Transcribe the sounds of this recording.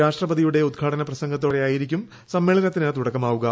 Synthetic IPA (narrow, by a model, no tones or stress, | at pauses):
aːʂʈrɐbɐðijuɽe̞ud̪̚ɡʰʱaːɽɐnɐprɐsɐŋɡɐt̪ːo̞ːrejaːjiɾikʲːum | sɐmːe̞ːɭɐnɐt̪ːinɐt̪uɽɐkːɐmaːʋuɣɐ